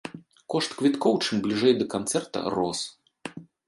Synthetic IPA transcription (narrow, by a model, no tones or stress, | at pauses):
kɔʂt̪kvʲit̪kɔwt͡ʂɨmblʲiʐɛjd̪ɐkant̪sɛrt̪ɐ̰rɔs